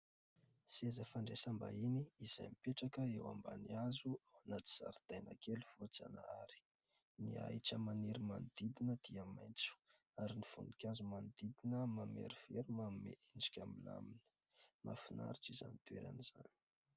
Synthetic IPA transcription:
siazafaɳɖ͡ʐesamba̰iniːza̰jmipeʈ͡ʂakəewa̰mba̰niazuawanat͡si̥z̥a̰ɾid̪̥ajna̰keluv̥ot͡sa̰na̰aɾi̥ | nia̰jʈ͡ʂəmaniɾimanid̪id̪inəd̪̥iamajnt͡su̥ | aɾinifunikʲazumanid̪id̪inəmamḛɾiv̥eɾumamḛʔiɳɖ͡ʐi̥kʲamila̰minə̥ | ma̰fina̰ɾiʈ͡ʂiza̰nit̪wḛɾa̰niz̥a̰ni̥

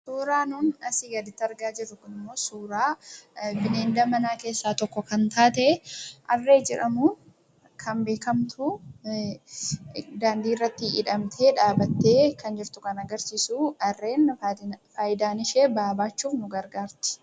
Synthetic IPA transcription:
suːɾaːnuːnɐsɪɡɐd̪ɪt̪ːɐɾɡaːd͡ʒɪɾːʊkʊnɪmːo̞ːsuːɾaːbɪneːnd̪ɐmɐnaːke̞ːsːaːt̪ɔkːɔkɐnt̪aːt̪ɛʔɐrːe̞ːd͡ʒɛᶑɐmʊ | kʰɐnbe̞ːkɐmt̪ʰʊ | d̪aːnd̪iːrːɐt̪ːɪɪ̰ᶑɐmt̪ʰeːᶑaːbɐt̪ːeːkɐnd͡ʒɪɾt̪ʊkɐnɐɡɐɾsiːsuːɐrːe̞ːnfaːjd̪aːnɪʃeːbaːbaːt͡ʃːuːfnʊɡɐɾɡaːɾt̪ɪ̥

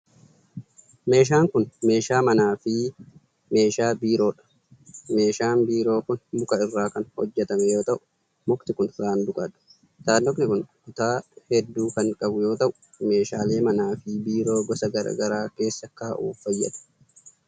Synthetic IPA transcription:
me̞ːʃ̬aːŋkʊnme̞ːʃaːmɐnaːfɪ | me̞ːʃaːbiːɾo̞ːᶑɐ̥ | me̞ːʃaːnbiːɾo̞ːkʊnbʊkɐɪrːaːkɐnhɔ̰d͡ʒːɛt̪ɐmɛjo̞ːt̪ɐʔʊ̥ | mʊkt̪ɪkʊnɾaːnd̪ʊkʼɐᶑʊ̥ | saːnːɔknɪkʊnkʊt̪aːhɛd̪ːuːkɐŋkʼɐbʊjo̞ːt̪ɐʔʊ̥ | me̞ːʃaːle̞ːmɐnaːfɪbiːɾo̞ːɡɔsɐɡɐɾɐ̰ɡɐɾaːke̞ːsːɐkːaːʔṵːfːɐjːɐ̰t̪ɐ̥

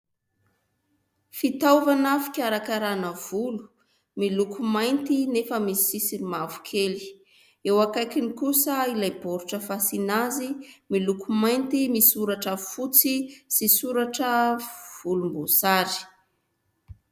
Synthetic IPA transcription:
fit̪awvanafi̥kʲaɾakaɾanəv̥ulu̥ | milukumajnt̪inefəmisi̥sisilimavu̥kʰeli̥ | ewakajkinikusəilajboɾuʈ͡ʂəfasinazimilukumajnt̪imisuɾaʈ͡ʂafut͡sisisuɾaʈ͡ʂəv̥ulumbosaɾi̥

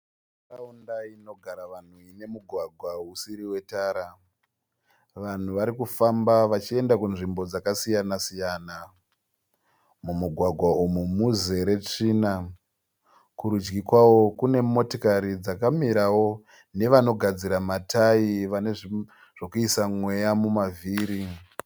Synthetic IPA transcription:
raundaino̞ɡʱaɾaʋan̤uine̞muɡʱwaɡʱwausiɾiwe̞taːɾa | ʋan̤uʋaɾikufambaʋat͡ʃie̞ndakunʐimbo̞d͡zakasijanasijaːna | mumuɡʱwaɡʱwaumumuze̞ɾe̞t͡ʂiːna | kuɾud͡ʒɡikwawo̞kune̞mo̞tokaɾid͡zakamiɾawo̞ | ne̞ʋano̞ɡʱad͡ziɾamataiʋane̞ʐi | ʐ̥okuisamwe̞jamumavʱiːɾi

